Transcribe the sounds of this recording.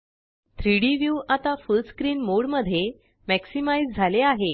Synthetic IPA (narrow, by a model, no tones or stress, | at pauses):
t̪ʰɾiɽiʋjuʔat̪afulskɾiːnmoɽməd̪ʱːje | mæksimaid͡zd͡zʱaleaɦe